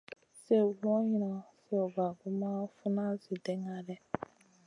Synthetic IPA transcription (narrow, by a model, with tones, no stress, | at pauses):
se˦˨lɔ̃˦ɲi˦˨na˨se˦o˨ɡa˨ɡu˦ma˦fu˦na˦si˨dɛ̃˦ŋɡa˦ɾɛ˦˨